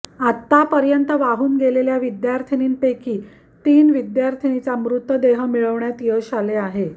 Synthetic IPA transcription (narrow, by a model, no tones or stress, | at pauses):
at̪ːapəɾjənt̪əʋaɦuːnɡeleljaʋid̪jaɾt̪ʰiniːnpekiː | t̪iːnʋid̪jaɾt̪ʰinit͡samɾut̪ʋəd̪eɦəmiɭəʋɳjat̪jəɕaleaɦe